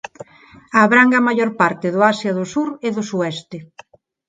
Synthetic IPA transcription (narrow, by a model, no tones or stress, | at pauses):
aːβɾaŋɡamaʎoɾpaɾt̪ɪðʊasjaðʊsuɾɪðʊsuɛst̪ɪ